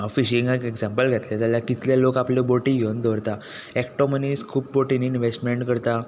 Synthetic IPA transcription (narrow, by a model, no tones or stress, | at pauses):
ɔfiɕiŋɡəkeɡd͡zampəlɡʱat̪lat̪jaljakit̪lalokapleboʈĩɡond̪oɾt̪a | ekʈoməniskʰuːp̚boʈiniːinʋesʈmeɳʈkəɾt̪a